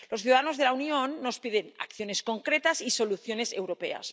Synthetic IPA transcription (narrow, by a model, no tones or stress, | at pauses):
losθjuðaðano̞zðelaunionːo̞spiðe̞na̰kθjo̞ne̞sko̞ŋkɾet̪asiso̞luθjo̞ne̞se̞wɾope̞̰a̰s